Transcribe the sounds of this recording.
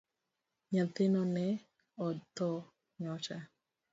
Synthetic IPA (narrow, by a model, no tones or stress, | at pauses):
ɲat̪ɪnɔnɛ | ɔt̪ːɔ | ɲɔt͡ʃa